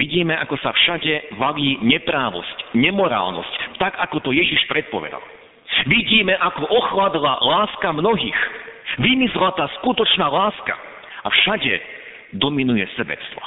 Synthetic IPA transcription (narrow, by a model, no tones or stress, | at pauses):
iɟiːmɛʔakɔsafʃaɟɛʋaliːɲɛpɾaːʋɔ̰scɲɛmɔɾa̰ːlnɔ̰sct̪aɡakɔt̪ɔjɛʒiʃpɾɛt̪̚pɔʋɛ̰d̪a̰l | ʋiɟiːmɛʔakɔʔɔxlad̪la̰laːskamnɔɦiːxʋimizlat̪aːskut̪ɔt͡ʃnaːlaːska̰ | afʃaɟɛ̰ | d̪ɔminujɛsɛbɛ̰t͡st̪ʋɔ̰